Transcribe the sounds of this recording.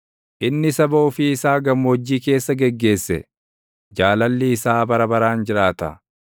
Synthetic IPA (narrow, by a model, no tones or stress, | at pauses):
ʔɪnːɪsɐboːfɪːsaːɡɐmːɔd͡ʒːiːke̞ːsːɐɡɛɡːe̞ːsːɛ̰ | d͡ʒaːlɐlːɪːsaːbɐɾɐbɐɾaːnd͡ʒɪɾaːt̪ɐ̰